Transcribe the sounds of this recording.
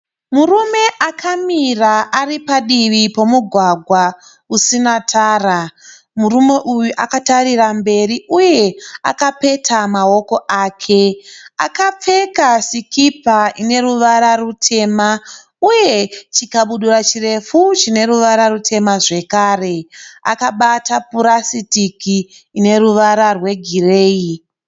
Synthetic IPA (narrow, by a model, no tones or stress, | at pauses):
murume̞ʔakʰamiraʔaripaɗiʋipo̞muɡʱwaɡʱwa | usinatʰaːra | murume̞ʔujuʔakatarirambe̞riʔuje̞a̰kape̞tʰamao̞ko̞ʔaːkʰe̞a̰kap͡fe̞kasikipaine̞ruʋaɾarutʰe̞ːma | uje̞t͡ʃikaɓuɗurat͡ʃire̞fut͡ʃine̞ɾuʋaɾarutʰe̞maʐe̞kaːre̞a̰kaɓatapuɾasitikiː | ne̞ɾuʋaɾarwe̞ɡʱire̞ːi